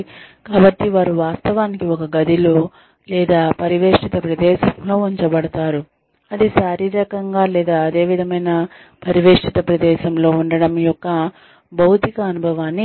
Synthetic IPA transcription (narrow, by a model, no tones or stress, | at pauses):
kaːbɐʈːiʋaːɾuʋaːst̪ɐʋaːnikiɔkɐɡɐd̪ʱiloː | lɛːd̪aːpɐɾiʋeːʂit̪ɐpɾɐd̪ɛːʃɐmlo̞ːuɲt͡ʃɐbɐɽɐt̪aːɾu | ɐd̪iʃaːɾiːɾɐkɐŋɡaːlɛːd̪aːɐd̪e̞ːʋid̪ʱɐmɐjnɐ | pɐɾiʋeːʂit̪ɐpɾɐd̪ɛːʃɐmlo̞ːuɳɖɐɽɐmjɔkːɐ | bɐwt̪ikɐːnubʱɐʋaːnːi